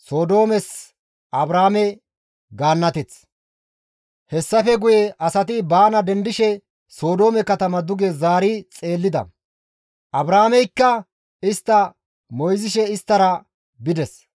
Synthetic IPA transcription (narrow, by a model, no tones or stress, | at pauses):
so̞ːd̪o̞ːmɛs | ɐbɾaːmɛ | ɡaːnːɐt̪ɛt͡s | hɛsːɐfɛɡʊjɛʔɐsɐt̪ɪbaːnɐd̪ɛnd̪ɪʃɛ | so̞ːd̪o̞ːmɛkɐt̪ɐmɐd̪ʊɡɛzaːɾɪt͡sʼe̞ːlːɪd̪ɐ̰ | ʔɐbɾaːmɛjkːɐ | ɪst̪ːɐ | mɔjzɪʃɛɪst̪ːɐɾɐ | bɪd̪ɛs